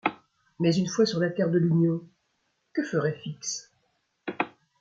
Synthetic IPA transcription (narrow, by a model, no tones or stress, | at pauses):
mɛzynfwasyʁlat̪ɛʁd̪əlynjɔ̃ | kəfəʁɛfiks